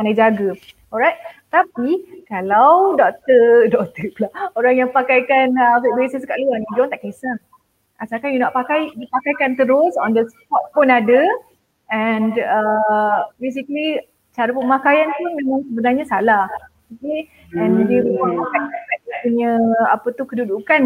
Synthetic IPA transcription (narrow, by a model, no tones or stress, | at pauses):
anajd͡ʒaɡa | ɔɹajt̪̚t̪apikalawdɔk̚t̪ədɔk̚t̪əplaoɾaŋjaŋpakajkanəfibesəsəkaʔluanid͡ʒɔ̃nt̪aʔkesaŋ | asakanjunaʔpakajdipakajkant̪əɾʊsɔndəsə̥kat̚pʊnadə | ɛ̃nə | bes̬ikəli | t͡ʃaɾəpumakajant̪umẽmãŋsəbənarɲasalah | iki | ɛ̃ndibimaakakakat̚puɲə̃apət̪ukədudukan